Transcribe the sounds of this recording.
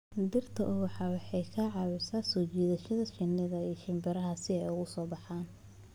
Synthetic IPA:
d̪ɪrt̪ʰɐʔʊwɑħɑːwɑħɑjkʰɐʕɑːβɪsaːsɔːt͡ʃɛːðɐʃɐðɐt͡ʃɪnːɪðɐiːʃɪmbɪɾɐɦɐsɪɛjʊɣʊsɔːbɑħaːn

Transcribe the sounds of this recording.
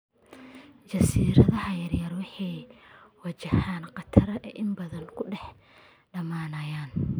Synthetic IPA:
t͡ʃɐsiːɾɐðɐɦɐjɐrjɐrwɑħɑjwɐt͡ʃɪhaːnqɑt̪ʰɐɾɐʔɛʔɪmbɐðɐnkʰʊɖɛħ | ɖɐmaːnɐjaːn

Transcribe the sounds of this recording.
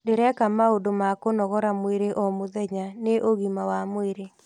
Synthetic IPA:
deɾɛkamaodomakonɔɣɔɾamweɾeʔɔmoðɛɲaneʔoɣimawamweɾe

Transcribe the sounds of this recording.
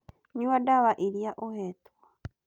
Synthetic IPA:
ɲuwadaβaʔiɾjaʔohetwa

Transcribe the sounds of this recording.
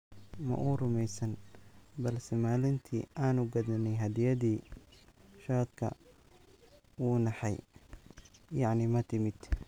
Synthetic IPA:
mɐ̰ʔuːrʊmɛjsɐnbɐlsɛmaːlɪnt̪ʰḭːaːnuɡɐðɐnɛjɦɐd̪ɪjɐðiː | ʃaːd̪kʰɐ̰ | wuːnɑħɑj | jɑʕnɪmɐt̪ʰɪmɪd̪̥

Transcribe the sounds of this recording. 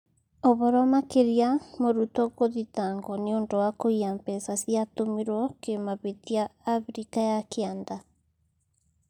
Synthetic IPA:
ɔβɔɾɔmakeɾiamoɾutoɣoðitaːŋɡɔneondowakoiampɛsasiatomiɾwɔkemaβetiaːfɾikajakʰeand̪a

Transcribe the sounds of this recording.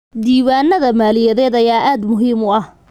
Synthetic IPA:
d̪iːβaːnɐðɐmaːlɪjɐðɛːd̪ɐjaːʔaːd̪mʊɦiːmʊɐh

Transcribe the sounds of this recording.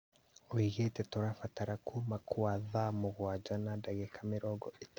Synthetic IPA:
wiɣetɛtɔɾafataɾakʰumakʰuaðamoɣwad͡ʒanadaɣɛkamiɾɔɡɔʔit

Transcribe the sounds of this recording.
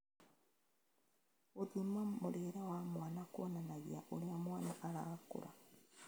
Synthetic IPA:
otimwamuɾeːɾawamwanakwɔnanaɣḭaʔoɾiamwanakaɾa̰ɣakṵɾa

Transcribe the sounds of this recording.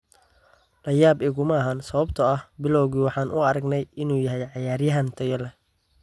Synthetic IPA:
lɐjaːbɪɣʊmɐɦɐnsɐβɐbt̪ʰɐɐhbɪlɔwɣiːwɑħɑːnʔʊ̰ɐɾɐɡnɛjɪnuːjɐɦɛjʕɑjaːɾjɐɦɐnt̪ʰɐjɐlɛ

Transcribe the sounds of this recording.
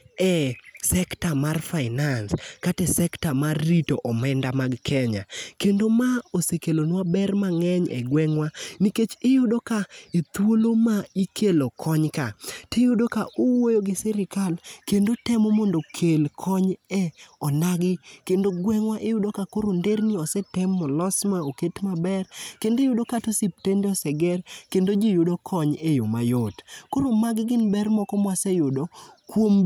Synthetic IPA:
ɛsɛktamarfaɪnanskatɛsɛktamarːitoʔɔmɛndamaɡkʰɛɲa̰kendomaosekelonwabɛrmaŋɛɲʔɛ̰ɡwɛŋwaniket͡ʃɪjʊdokaet̪wolomaikʰelokʰɔɲkatɪjʊdokaʔowojoɡɪsɛɾɪkalkendotɛmɔmɔndokʰelkʰɔɲɛɔnaɡɪkendoɡwɛŋwaʔejʊdokakoɾondeɾniɔsɛtɛmːɔlɔsmaoketmabɛrkendojʊdokatosip̚tendeɔsɛɡɛrkendod͡ʒijodokʰɔɲejo̰ma̰jotkoɾomaɡɪɡɪnbɛrmɔkɔmwasɛjʊdokwom

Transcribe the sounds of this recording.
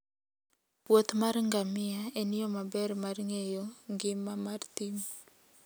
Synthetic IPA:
pwot̪marŋɡamɪaenɪjɔmabɛrmarŋejoŋɡɪmːamart̪im

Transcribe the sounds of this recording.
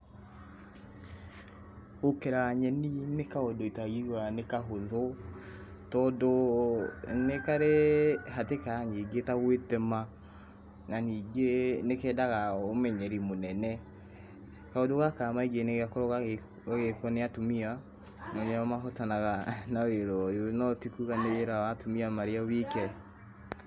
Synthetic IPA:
okɛɾaɲɛninekaɔdɔitaɣiɾanekaɦoðɔ | tɔdɔ | nekaɾehatekaɲiːɡetaɣwetɛma | naniːɡenekɛːdaɣaomɛɲɛɾimonɛnɛ | kaodoɣakaːmaiɡeneɣeakoɾɔɣa | ɣekɔneatomia | nɔɲaamaɦɔtanaɣanaweɾɔjonɔtikuɣaneeɾawatomiamaɾeawikɛ

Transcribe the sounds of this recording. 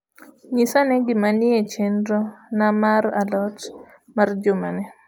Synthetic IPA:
ɲisanɛɡɪmanɪet͡ʃendɾɔnamaɾa̰lɔt | mard͡ʒʊmanɛ

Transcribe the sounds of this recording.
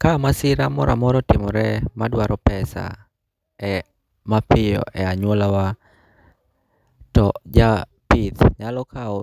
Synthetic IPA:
kamasɪɾamɔɾʔa̰mɔɾɔtɪmɔɾɛmadwaɾɔpɛsa̰ | ɛ | mapɪjɔ̰ʔɛaɲwolawa | tɔd͡ʒa | pit̪ɲalɔkʰaɔ

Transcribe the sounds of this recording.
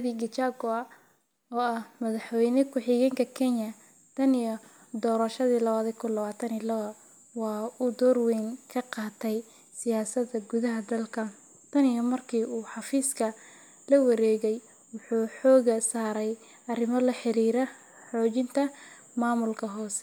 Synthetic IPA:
βiɡɪt͡ʃaɡɔ | ɔːɐhmɐðɑħwɛjnɪkʰʊħɪɣɛŋkʰɐkʰɛɲɐ | t̪ʰɐnɪjɔ | d̪ɔːɾɐʃɐðiːlɐβaːðikʰʊnlɐβaːt̪ʰɐnɪlɐɐ | wɑːud̪ɔːrwɛŋkʰɐqɑːt̪ʰɛj | sɪjaːsɐd̪ɐɡʊðɐɦɐd̪ɐlkʰɐ | t̪ʰɐnɪjɔmɐrkʰiːʔuːħɑfiːskʰɐ | lɐwɑɾɛːɣɛj | wʊħuːħɔːɣɐsaːɾɛj | ɐrɪmɔlɐħɪɾiːɾɛ | ħɔːt͡ʃɪnt̪ʰɐ | maːmʊlkʰɐɦɔːsɛ

